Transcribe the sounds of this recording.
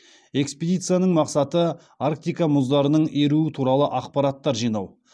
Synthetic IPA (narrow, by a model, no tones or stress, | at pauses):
e̞ksped̪ijt̪sɨjanəɴmɑqsɑt̪ə | aɾk̚t̪ijkamʊzd̪ɑɾənəɴeɾuɪt̪ʰuɾɑlˠəʔɑqpɑɾat̪ːɑɾʒijnɑw